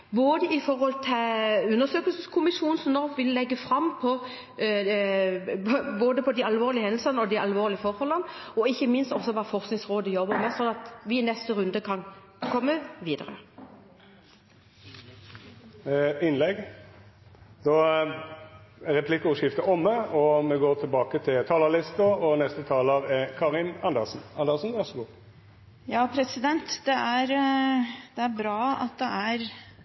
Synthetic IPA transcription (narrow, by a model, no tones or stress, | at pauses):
boːd̪əɪfɔɾhɔlt̪ʰɪʉnːəʂøːkəlsn̩skʰʊmɪʃuːnsɔmnɔʁʋʋɪlːɛɡːəfʁɑmpʰɔ | boːd̪əpʰɔd̪iɑlʋoːʁlɪəhɛnl̩sɑnəɔd̪iʔɑlʋoːʁlɪəfɔɾhɔlːənəɔɪçːəmɪnst̪ɔsːɔʋɑːfɔʁsknɪŋsʁoːd̪əjɔbəmɛsɔnɑt̪ʋɪnɛst̪əʁʉnd̪əkʰɑn | kʰɔmːəʋiːd̪əʁə | ɪnlɛɡ | d̪ɑː | æʁɛpʰlɪkːəɔʂɪft̪əɔmːəɔmɛɡoːʁt̪ʰɪlbɑːkət̪ʰɪlt̪ʰɑːləʁlɪst̪əʁɔnɛst̪ət̪ʰɑːləʁɛkʰɑːʁɪnɑnd̪əʁsn̩ɑnd̪əsn̩ʋæʁsəɡuːʁ | jɑːpʰɾɛsɪd̪ɛnt̪d̪ɛæɾ | d̪̥ɛæɾbɾɑːɑ̰t̪̚d̪ɛʔæɾ